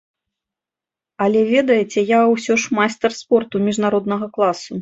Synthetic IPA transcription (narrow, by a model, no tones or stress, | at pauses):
ɐlʲɛvʲɛd̪ɐjɛt͡sʲɛjawsʲɔʂmajst̪ɐrspɔrt̪umʲiʐnaɾɔd̪nɐɣɐklˠasu